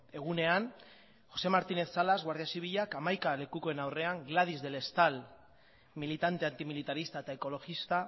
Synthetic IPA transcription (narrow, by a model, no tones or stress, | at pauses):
e̞ɣ̞une̞an | ʝo̞se̞maɾt̪ine̞θsalazɣwaɾð̞iasiβiʎakamajkale̞kuko̞e̞nawre̞aŋɡlað̞izðe̞le̞st̪al | milit̪ant̪e̞ant̪imilit̪aɾist̪aet̪aeko̞lo̞xist̪a